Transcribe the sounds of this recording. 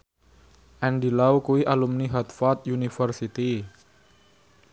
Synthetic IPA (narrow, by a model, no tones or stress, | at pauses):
ʔɛnɖilaukuwiʔalumniɦat̪fɔt̪̚junifərsit̪i